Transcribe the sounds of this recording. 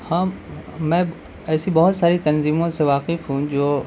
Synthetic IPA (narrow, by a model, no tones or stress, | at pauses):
hãːmɛ̃ː | ɛːsibɐɦʊt̪saːɾit̪ɐnziːmõseʋaːqɪfɦũd͡ʒoː